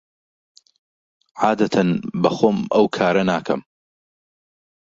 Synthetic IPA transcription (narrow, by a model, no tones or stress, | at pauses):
ʕaːd̪ɐt̪ʰɐnbɐxoːmɐwkʰaːɾɐnaːkʰɐm